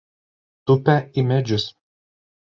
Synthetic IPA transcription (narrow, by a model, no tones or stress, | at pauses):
t̪ʊpʲɛɪmʲɛd͡ʒʲʊs